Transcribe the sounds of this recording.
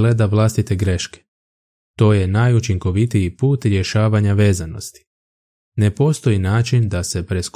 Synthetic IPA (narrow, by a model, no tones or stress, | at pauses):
le̞d̪aʋlˠast̪it̪e̞ɡɾe̞ʃke̥ | t̪o̞ːje̞najut͡ʃiŋko̞ʋit̪ijipuːt̪ɾje̞ʃaːʋaɲaʋe̞ːzano̞st̪i̥ | ne̞po̞st̪o̞inaːt͡ʃind̪ase̞pɾe̞sk